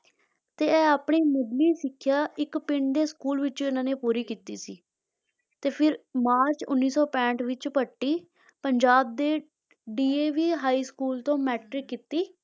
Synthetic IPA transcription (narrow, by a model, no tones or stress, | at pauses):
t̪eːɛːaːpɳiːmədliːsɪkʰːjaːɪkpɪɳd̪eːskuːlʋɪt͡ʃoɪnãːneːpuːɾiːkiːt̪ḭːsḭː | t̪eːpʰɪɾmaːɾt͡ʃʊ̰nːiːsɔːpɛ̃ːɳʈʋɪt͡ʃpəʈːiː | pəɲd͡ʒaːb̚d̪eː | ɖiːeːʋiːɦaːiːskuːlt̪õːmɛːʈɾɪkːiːt̪iː